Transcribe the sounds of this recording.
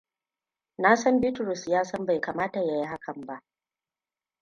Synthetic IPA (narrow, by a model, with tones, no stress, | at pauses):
naː˦sɐ˦mbɪ˦tɾʊ˨sjaː˦sɐ˦mba˨jkaː˨maː˦ta˨ja˨ji˦ɦa˦kʰɐ˨mba˦ʔ